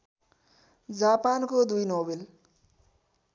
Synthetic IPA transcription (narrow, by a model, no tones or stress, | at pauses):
d͡zapankod̪ujnobel